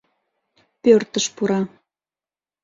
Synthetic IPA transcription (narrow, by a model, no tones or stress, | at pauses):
pørt̪əʃpuɾɑ